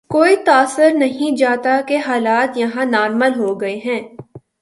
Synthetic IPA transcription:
koːit̪aːsəɾnɐɦĩd͡ʒaːt̪akeɦaːlaːt̪jɐɦãnaːɾməlɦoːɡɐeɦɛ̃ː

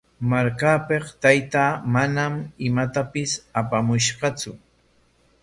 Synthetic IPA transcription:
maɾkaːpeqt̪ajt̪aːmanamɪmat̪apɪsapamʊʃɢɑt͡sʊ

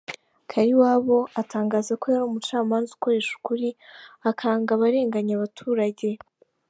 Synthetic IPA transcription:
kʰaɾiwaːβo̞ataːŋɡaːzako̞jaɾuːmut͡ʃaːmaːnzu̥ko̞ɾe̞ʃu̥kuɾiakʰaːŋɡaβaɾe̞ːŋɡaɲaβatʰuːɾaɟe̞

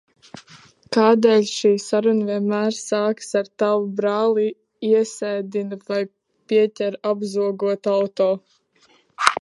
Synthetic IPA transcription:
kaːd̪eːlʲʃiːsaɾunviɛnmæːɾsaːksaɾt̪awubɾaːlˠi | iɛsɛjd̪invaj | piɛcʲɛɾabzuɔɡuɔt̪awt̪oː

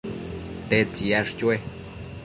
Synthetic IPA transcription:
t̪et͡sijaʂt͡ʃwe

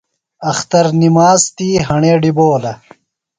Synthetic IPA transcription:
ɐxt̪ɐɾnimaːzt̪iːɦɐɳeːɖiboːlɐ

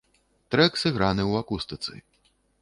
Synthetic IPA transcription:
t̪ɾɛksɨɣɾanɨwakust̪ɨt̪sɨ̰

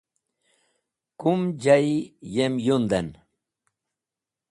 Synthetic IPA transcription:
kumd͡ʑaijemjund̪en

